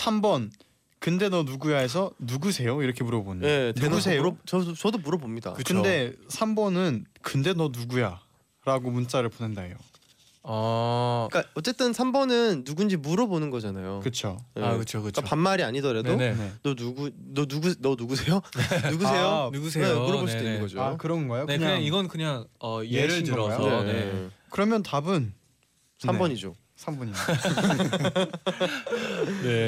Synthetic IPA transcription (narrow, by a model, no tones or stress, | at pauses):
sʰambʌn | kɯnde̞nʌnuɡujaɦe̞sʰʌnuɡusʰe̞joiɾʌkʰe̞muɾʌbonɯneenusʰejt͡ɕʌt͡ɕʌdomuɾʌbomɲida̰ɯkɯnde̞sʰambʌnɯnkɯnde̞nʌnuɡuja | ɾaɡomunt͡ɕ͈aɾɯɭponendajo | a | ik͈aʌt͡ɕ͈e̞t͈ɯnsʰambʌnɯnːuɡund͡ʑimuɾʌbonɯnɡʌd͡ʑanajokɯt͡ɕʰonekɯt͡ɕʰokɯt͡ɕk͈apanmːaɾiaɲidʌɾadoenʌnuɡu | nʌnuɡunʌnuɡusʰe̞jonuɡuejonuɡusʰenemuɾʌboɭs͈ii̥oinːɯŋɡʌd͡ʑokɯɾʌnɡʌjokneɲɯaɲaŋiɡʌnkɯɲaŋʌjeɾɯmeekɯɾʌmjʌntabɯn | sʰambʌɲid͡ʑo̰ | sʰambʌɲi | ne